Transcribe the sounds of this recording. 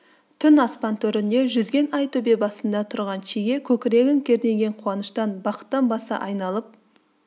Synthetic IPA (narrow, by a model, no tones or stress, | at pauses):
t̪ʰʏnɑspɑnt̪ʰɵɾɪnd̪e̞ʒʏzɡʲe̞nɑjt̪ʰɵbe̞bɑsənd̪ɑt̪ʰʊɾʁɑnʃiɡʲe̞kʲʰɵkʲɪɾe̞ɡʲɪŋkʲʰe̞ɾne̞ɡʲe̞ɴqʰuɑnəʃt̪ɑnbɑqə̥t̪ːɑnbɑsɑ̰ʔɑjnɑlˠəp̚